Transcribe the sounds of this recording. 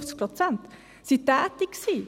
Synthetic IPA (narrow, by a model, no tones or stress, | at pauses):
sk̚plɑt̪sɛnt̪ | sɪt̪æːt̪ɪksiː